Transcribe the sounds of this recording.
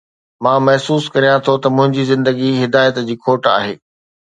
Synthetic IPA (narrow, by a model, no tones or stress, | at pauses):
mãːmɐɦsuːskɐɾijãt̪ʰot̪ɐmʊ̃ɦɪ̃ɲd͡ʑizɪ̃nd̪əɡiɦɪd̪aːjət̪d͡ʑiːkʰoːʈa̰ːɦeː